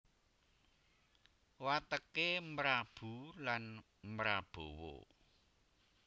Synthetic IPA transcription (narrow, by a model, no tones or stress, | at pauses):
wat̪əkemɾab̥ṳlan | mɾab̥owo̰